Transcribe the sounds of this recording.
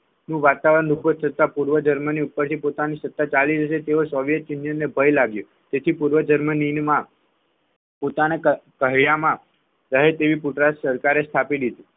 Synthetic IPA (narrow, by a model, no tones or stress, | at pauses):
nũʋat̪aʋəɾənubʱət̪̚t̪ʰət̪apuɾʋəd͡ʒəɾməniupːəɾt̪ʰipot̪anisət̪ːat͡ʃalid͡ʒəʃet̪eʋosɔʋjət̪t͡ʃɪnjənːebʱəjlaɡju | t̪et̪ʰipuɾʋəd͡ʒəɾməninmã | pot̪anekəɦjamã | ɾəɦet̪eʋipuʈɾasəɾkaɾest̪ʰapid̪id̪i